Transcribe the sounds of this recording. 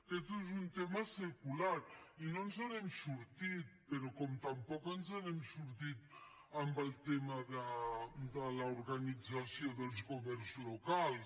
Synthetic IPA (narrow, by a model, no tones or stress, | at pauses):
kɛt̪̬uzunt̪ɛmasəkulaɾinonzaβɛmsuɾt̪it̪̚peɾɔkɔmt̪ampɔkənzaβɛmsuɾt̪it̪ | ambəlˠt̪ɛmaðəd̪əlauɾɣanid͡zasjod̪əlˠskomɛɾzlokals